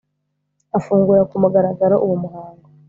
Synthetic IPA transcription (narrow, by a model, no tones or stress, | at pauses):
afuːŋɡuɾakumuɡaɾaɡaɾoʔuwumuɦaːŋɡo